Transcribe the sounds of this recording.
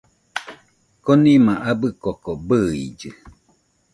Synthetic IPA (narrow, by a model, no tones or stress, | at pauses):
konĩmãʔabɨkokobɨid͡ʒɨ